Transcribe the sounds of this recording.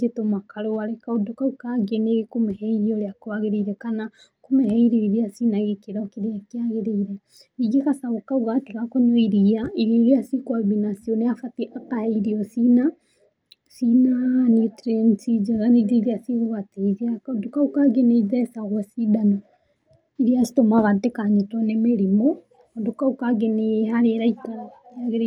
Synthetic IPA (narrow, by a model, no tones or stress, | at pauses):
d͡ʒetomakaɾowaɾɛkaodukaukaɡeneɣkumɛhɛiɾiɔɾeakowaɣeɾeiɾɛkana | kumɛhɛiɾeiɾiasinaɣekeɾɔkeɾeakeaɣeɾeiɾɛ | iɡekasaɣokauɣatiɣakɔnoiɾiaiɾeɾiasikɔbinasiɔneafatiʔakahɛiɾiɔsina | sinanitɾɛnsid͡ʒeɣaned͡ʒeɾiasiɣuβateziadukaukaɡeneðɛsaɣwɛsidano | iɾiasi̥tomaβatekaɲetwɔnemeɾimo | ndukaukaɡenehaɾeɾaitaɾajaɣeɾ